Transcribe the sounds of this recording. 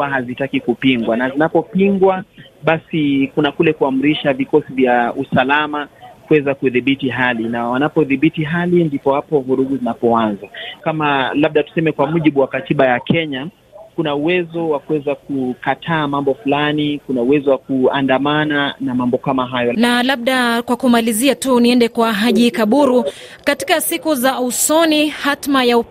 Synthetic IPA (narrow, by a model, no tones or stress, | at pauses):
aɦazitakikupiŋɡwanazinapɔpiŋɡwa | ɓasikunakulɛkuam̩ɾiʃavikɔsivjausalamakuwɛzakuðiɓitiɦalinawanapɔðiɓitiɦalindipɔhapɔvuɾuɡuzinapɔanzakamalaɓ̚ɗatu̥sɛmɛkwamuʄiɓuwakatiɓajakʰɛɲa | kunauwɛzɔwakuwɛzak̚ukatʰaːmambɔfulanikunauwɛzɔwakuandamananamambɔkamaɦajɔnalaɓ̚ɗakwakumaliziatuniɛndɛkwaɦaʄikaɓuɾukati̥kasikuzausɔnihatmajau